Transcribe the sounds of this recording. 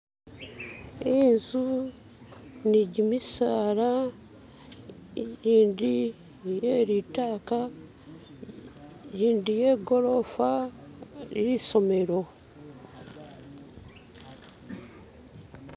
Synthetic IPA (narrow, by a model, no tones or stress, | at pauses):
inzu | niɟimisaːɾa | ɾiːndi | jeɾitaːka | ɾiːndije̞ːɡo̞ɾo̞fa | iɾiso̞me̞ɾo̞